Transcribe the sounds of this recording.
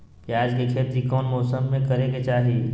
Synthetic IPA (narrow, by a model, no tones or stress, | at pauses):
kiaːd͡ʒlekʰet̪ɾikɔːnmɔːsəmːẽkɐɾeɡet͡ʃaːɦi